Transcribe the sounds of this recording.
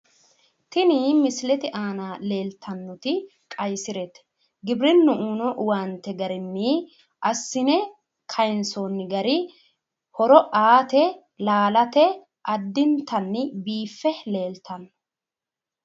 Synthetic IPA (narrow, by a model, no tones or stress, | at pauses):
t̪ɪnimɪslɛt̪ɪʔaːnaːle̞ːlt̪ʰːɐnːɔt̪ɪ | kʼɐjsɪɾɛt̪ɛ̥ | ɡɪbɾɪnːʊʔuːnɔʔwaːnt̪ɛɡɐɾɪnːɪ | ʔɐsːɪnɛ | kʰɐjnsonːɪɡɐɾɪ | hɔɾɔʔaːt̪ɛ | laːlɐt̪ɛ | ʔɐd̪ːɪnt̪ʰɐnːɪbiːfːɛle̞ːlt̪ʰɐnːɔ